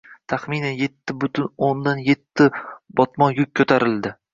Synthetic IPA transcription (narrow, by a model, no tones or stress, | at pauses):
t̪ʰaχminanje̞t̪ʰːɪbʊt̪ʰʊnond̪anje̞t̪ʰːɪbɒt̪mɒjʊk̚ʲʰːɵt̪ʰaɾɪld̪ɪ